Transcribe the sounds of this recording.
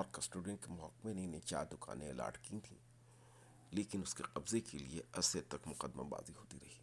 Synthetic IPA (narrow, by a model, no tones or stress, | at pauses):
ɔːɾkɐsʈoːɖɪ̃ɳkemʊɦɔkmenenẽt͡ʃa̰ːɾd̪ʊka̰ːnẽɐla̰ːɾʈkit̪ʰḭ̃ː | leːkɪnʊskeqɐbzekelieɐset̪ɐkmʊqəd̪ːmã̰ba̰ːziɦoːt̪iɾɐɦiː